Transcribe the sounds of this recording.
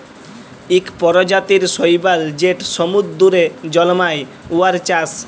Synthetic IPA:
ikpɔɾod͡ʑat̪iɾʃojbald͡ʑeʈsomud̪ːuɾed͡ʑɔlmaj | uaɾt͡ɕas

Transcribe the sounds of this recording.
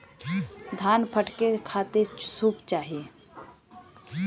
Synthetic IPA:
d̪ʱaːnpʰəʈkekʰaːt̪esuːpt͡ʃaːɦie

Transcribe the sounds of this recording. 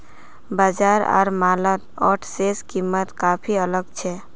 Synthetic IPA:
bad͡ʒaɾɔ̰ːɾmalət̪ɔʈʰseskimːət̪kapʰiələɡt͡ʃʰɛ

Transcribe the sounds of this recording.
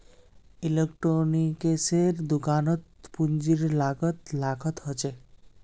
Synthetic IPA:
ilekʈɾonikeseɾd̪ukanɔt̪pund͡ʑiɾlaɡɔt̪laɡʱɔt̪ɦot͡ʃʰe

